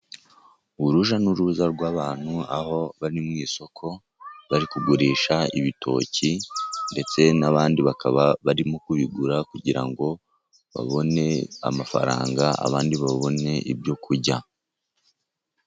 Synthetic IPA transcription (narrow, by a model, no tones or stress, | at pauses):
ɾuʒanuɾuzaɾɡwaːβaːn̥huaho̞βaɾimŋiːso̞kʰo̞ | βaɾikuɡuɾiːʃaiβitʰo̞̰ːcʰinde̞t͡se̞naβaːndiβakaβaβaɾimokuβiɡuɾakuɟiɾa̰ŋɡo̞ | βa̰βo̞ne̞a̰mafa̰ɾa̰ːŋɡaa̰βaːndiβaβo̞ne̞ʔḭbjo̞kʰuɾɟa